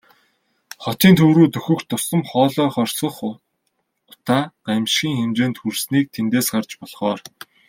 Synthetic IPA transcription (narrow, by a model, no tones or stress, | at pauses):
χɔt̪iːnt̪ʰɵwɾuːt̪ɵxɵ̆xt̪ʰːʊsə̆mχɔːɮɔːχɔrʲsə̆χ | ʊt̪aːɢ̥amʃxʲiːŋxemt͡ɕeːnt̪xursniːk̚t̪ʰent̪eːsɢart͡ɕpɔɮχɔːr